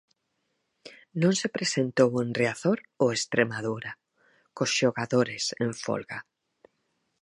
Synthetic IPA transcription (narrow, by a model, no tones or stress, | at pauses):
nõŋsepɾesent̪owenreaθoɾoest̪ɾemaðuɾa | kosʃoɣaðoɾesẽɱfo̰lɣa